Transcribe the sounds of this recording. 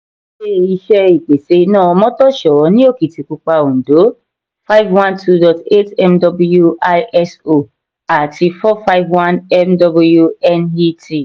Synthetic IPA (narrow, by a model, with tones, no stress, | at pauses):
ʃe˦˨i˧ʃɛ˦i˨k͡pe˨se˧nãː˦˨ɔ˧mɔ̃˦tɔ˦ʃɔ˨˦nĩ˦o˦˨ki˨ti˨ku˨˧k͡pa˧o˨n̩˨do˨˦ | fa˦ɪ˦vwã˦ntʰu˦dɔ˨te˦tɛ˦mdɔ˧bju˦a˦ɛ˦so˦˨ | a˨tʰi˧fɔ˦fa˦ɪvwã˦nɛ˦mdɔ˧bju˧ɛ˦ni˦ti˦˨